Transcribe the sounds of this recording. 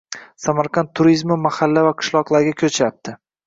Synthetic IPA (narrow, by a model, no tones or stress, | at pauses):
samaɾqʰɑnt̪ʰːʊɾizmɪmahalːavaqʰɨ̥ʃlˠɒqlˠaɾɡʲakʲʰɵt͡ʃʰap̚t̪ʰɪ